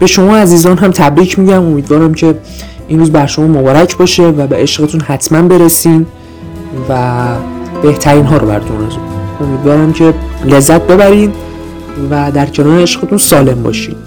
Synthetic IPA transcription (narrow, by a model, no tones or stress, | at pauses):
b̥e̞ʃo̞mɒːæziːzɒːnɦæmt̪ʰæbɾiːcʰmiːɟæmo̞miːd̪vɒːɾæmcʰe̞ | ʔinɾuːzbæɾʃo̞mɒːmobɒːɾæcʰbɒːʃe̞væbeeʃɢet̪ʰunhæt̪ʰmænbe̞ɾesiːn | væ | b̥e̞ht̪ʰæɾiːnɦɒːɾobæ̰ɾt̪ʰomnæzuko̞miːd̪vɒːɾæmcʰe̞le̞zːæt̪̚ʰbe̞bæɾiːn | væd̪æɾcʰe̞nɒːɾeeʃɢet̪ʰunsɒːle̞mbɒ̰ʃiːd̪